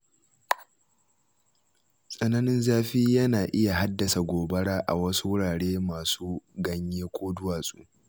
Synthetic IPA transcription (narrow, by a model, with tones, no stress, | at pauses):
sʼɐ˦nɐ˦nɪ˦nzaː˦ɸiː˦jɐ˦naː˨ʔɪ˦ja˨ha˦dːɐ˨sa˨ɡʷoː˨bɐ˦ɽaː˦ʔa̰˨wɐ˦su˦wʊ˦ɽaː˨ɽeː˦maː˨suː˦ɡɐ˦ɲjeː˦kʷoː˦dʊ˦waː˨sʼuː˦